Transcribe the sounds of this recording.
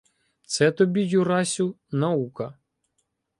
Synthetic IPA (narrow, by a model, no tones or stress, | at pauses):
t̪sɛt̪ɔbʲijʊɾɑsʲʊnɐukɐ